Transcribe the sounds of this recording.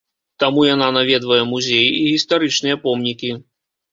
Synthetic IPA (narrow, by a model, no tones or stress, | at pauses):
t̪amujan̪anavʲɛd̪vɐjɛmuzʲejiiɣʲist̪aɾɨt͡ʂnɨjɐpɔmnʲikʲi